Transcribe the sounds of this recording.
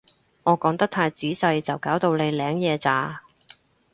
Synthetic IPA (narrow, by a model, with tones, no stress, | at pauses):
ŋʔɔː˨˧kɔː˨˧ŋt̪ɐ˥k̚t̪ʰaː˧jt͡siː˨˥sɐ˧jt͡sɐ˨wkaː˨˥wt̪o˧wle˨˧jlɛː˨˥ŋjɛː˨˧t͡saː˨˧